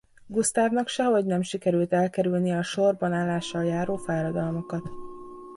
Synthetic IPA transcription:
ɡust̪aːvnɒkʃɛɦoɟnɛmʃikɛɾylt̪ɛlkɛɾylnijɛɒʃo̞rbɒnaːlːaːʃːɒljaːɾoːfaːɾɒd̪ɒlmokɒt̪

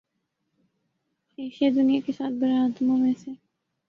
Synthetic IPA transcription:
eːʃed̪ʊnijakesaːt̪̚ʰbəɾaːt̪mõmẽse

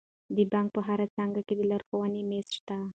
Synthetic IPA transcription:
d̪əbaŋk̚pəɦaɾat͡saŋɡaked̪əlaɾxowənemesʃt̪a

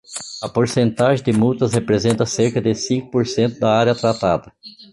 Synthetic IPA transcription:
ɐpoɾsẽnt̪aʒẽd̪ɪmuwt̪ɐshepɾezẽnt̪ɐseɾkɐd̪ɪsĩkʊ̥poɾsẽnt̪ʊd̪ɐaɾjɐt̪ɾat̪a̰d̪ɐ

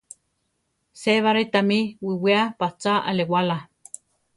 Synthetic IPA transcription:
seβaɾet̪amiwiwiapat͡saʔalewala

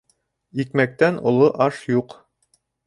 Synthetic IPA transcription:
ikmæk̚t̪ænŏlˠoʔɑʃjuq

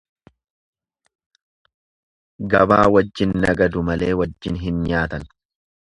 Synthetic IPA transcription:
ɡɐbaːwɐd͡ʒːɪnnɐɡɐd̪ʊmɐle̞ːwɐd͡ʒːɪnɦɪnɲaːt̪ɐn

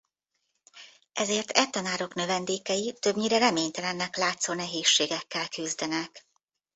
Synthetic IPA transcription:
ɛzeːrt̪ɛt̪ːɒnaːɾo̞knø̞vɛnd̪eːkɛjit̪ø̞bɲiɾɛɾɛmeːɲt̪ɛlɛnːɛklaːt̪soːnɛɦeːʃːeːɡɛkːɛlkyzd̪ɛnɛk

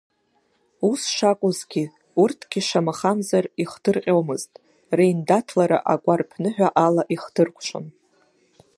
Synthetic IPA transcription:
usʂakʷʼʊzɡʲi | urtʰɡ̥ʲiʂamaχamzariχdɨrqʲʼowmɨztʼ | rejndatʰlaɾa̰ʔakʷʼarpʰnɨħᶣʷaʔalaʔiχdɨrkʷʰʼʃʷʰʼa̰n

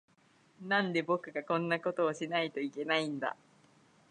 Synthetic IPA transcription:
nãnd̪e̞bo̞kɯ̟ɡakõ̞nːako̞t̪o̞ːɕinait̪o̞ike̞naĩnd̪a̰

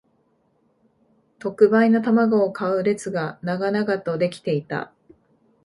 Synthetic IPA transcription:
t̪o̞kɯ̟bainot̪amaɡo̞ːkʰaɯ̟ɾe̞t͡sɨɡanaɡanaɡat̪o̞d̪e̞kʲi̥t̪e̞it̪a̰

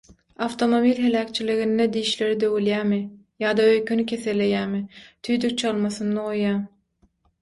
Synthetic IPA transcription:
ɑft̪ʰo̞mo̞bilʲɦe̞læːkʲt͡ʃʰiliɣind̪ɛd̪iːʃle̞ɾid̪øwyljæːmɪ | jɑːd̪ɑøjkʰʲynycʲʰe̞θelːe̞jæːmɪt̪ʰyjd̪yk̚t͡ʃʰɑlˠmɑsɯnaojːɑː

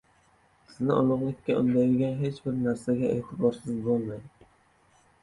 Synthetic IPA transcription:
sɪznɪʔɒlˠʊʁlˠɪkʲʰːaʊ̰nd̪ajd̪ɪɡʲanɦe̞t͡ʃbɪɾnaɾsaɡʲaḛt̪ʰɪbɒɾsɪzbɒlˠmajd̪

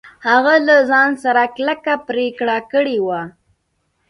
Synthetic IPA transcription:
haɣalazɑnsaɾaklakapɾekɽakəɽewa

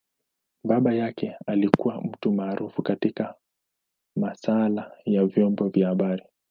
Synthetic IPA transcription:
ɓaɓajakɛalikuwam̩tumaːɾʔufukatika | masalajavjɔmbɔvjahaɓaɾi

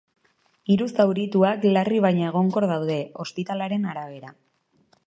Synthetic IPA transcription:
iɾust̪awɾit̪uaklariβajɲaeɣ̞o̞ŋko̞ɾðawðe̞o̞spit̪alaɾe̞naɾaβ̞e̞ɾa

